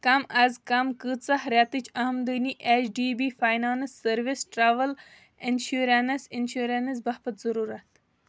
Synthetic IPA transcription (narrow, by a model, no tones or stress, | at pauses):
kɐmɐzkɐmkɨt͡sɐhɾat̪ɨt͡ʃʰɐɦɐmd̪əniʔet͡ʃɖiːbiːfaːjnaːnsːɐɾʋisʈɾaʋəl | inʃuːɾɐnɐsinʃuːɾɐnɐs̬bɐhpɐt̪zɐɾuːɾɐt̪